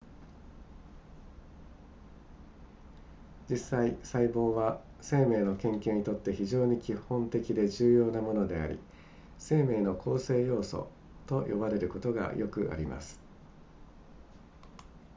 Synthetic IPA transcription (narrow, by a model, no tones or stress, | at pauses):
d͡ʑisːaisaibo̞ːβa | se̞ːme̞ːno̞kẽ̞ŋkẽ̞ɲ̟it̪o̞t̪ːe̞çiʑo̞ːɲ̟ikʲihõ̞nt̪e̞kʲid̪e̞ʑɨːjo̞ːnamo̞no̞d̪e̞a̰ɾʲḭ | se̞ːme̞ːno̞kʰo̞ːse̞ːjo̞ːso̞̰ | t̪o̞jʔo̞̰baɾe̞ɾɯ̟ko̞t̪o̞ɡa̰jʔo̞kɯ̟ʔa̰ɾʲima̰sɨ̥